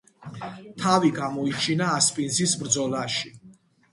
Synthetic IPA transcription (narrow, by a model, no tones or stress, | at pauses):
t̪ʰaviɡamɔit͡ʃʰinaːspʼinsisbɾd̪zɔlaʃi